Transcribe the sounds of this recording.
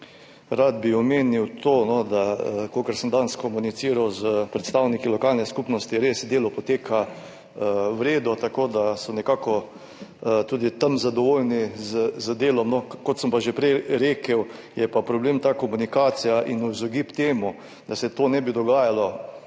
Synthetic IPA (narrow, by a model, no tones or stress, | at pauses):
ɾad̪biɔmeːniwt̪ʰoːnɔd̪akoːkəɾsəmd̪anskɔmunit̪siːɾawzəpɾɛt̪st̪awnikilɔkaːlnɛskupnɔst̪iɾeːsd̪eːlɔpɔt̪eːkʰa | əwɾeːd̪ɔt̪akoːd̪asɔnɛkaːkɔ | t̪uːd̪it̪amzad̪ɔʋoːlnizəzəd̪eːlɔmnɔkɔt̪səmpaʒepɾɛjɾeːkəwjɛpapɾɔbleːmt̪aːkɔmunikaːt̪sijaʔinuzɔɡipt̪eːmu | d̪asɛt̪oːnɛbid̪ɔɡaːjalɔ